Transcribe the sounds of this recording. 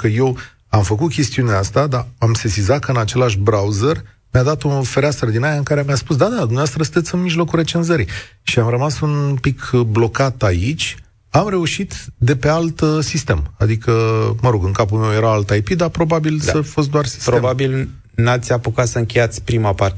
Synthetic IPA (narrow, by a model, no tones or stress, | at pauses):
kəje̞w | amfəkut̪̚kʲe̞st̪iuneast̪ad̪aamsesizat̪̚kəɨnat͡ʃe̞laʃbɾauzer | mjad̪at̪unfeɾeasərd̪inajaɨŋkaɾemʲjaspus̬d̪ad̪ad̪umneaast̪ɾəsɨnt̪e̞t̪sɨnmiʒlo̞kuɾe̞t͡ʃe̞nzəɾiʃiamɾəmasunpikʰblo̞kat̪ait͡ʃʲ | amɾe̞uʃit̪d̪e̞pe̞alt̪sist̪e̞̰ma̰d̪ikəməɾo̞ɡɨŋkapulme̞wje̞ɾaalt̪ajpid̪apɾo̞babilsəfos̬t̪d̪oarsi̥stpɾobabil | nat̪sʲapukat̪səɨŋkʲe̞jat̪sʲpɾimapart̪e